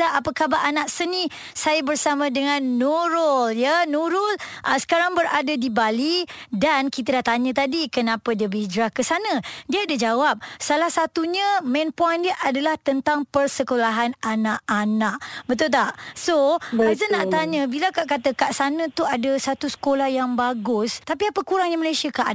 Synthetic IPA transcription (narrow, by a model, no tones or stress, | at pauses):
aʔapəkabaʔanaʔsənĩ | sajabərsamə̃dəŋãnːuɾʊljənuɾʊlʔəsə̥kaɾaŋbəɾadadibalidankit̪adaʔt̪aɲə̃t̪adikənãpədiəbid͡ʒɾahkəsanə̃diaːdad͡ʒawap̚salahsat̪uɲə̃mɛ̃npɔjndiəʔadalaht̪ənt̪aŋpərsəkolaɦananaʔanaʔbət̪̬ʊlt̪aʔsoazənːaʔt̪aɲə̃bilakaʔkat̪əkaʔsanə̃t̪uadasat̪usə̥kolahjaŋbaɡʊst̪apiapəkuɾaŋɲəməlajsiakaʔa